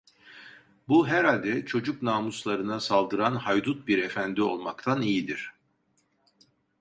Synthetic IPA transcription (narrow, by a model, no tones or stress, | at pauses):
buɦæɾalʲd̪ɛt͡ʃʰo̞d͡ʒuknaːmuslˠaɾɯnasalˠd̪ɯɾanhajd̪ut̪̚biɾe̞fænd̪io̞lˠmakt̪ʰanijid̪iɾ̥